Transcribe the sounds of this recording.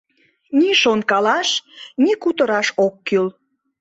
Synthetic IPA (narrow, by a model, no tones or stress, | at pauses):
niʃonkɑlɑʃnikut̪əɾɑʃokːyl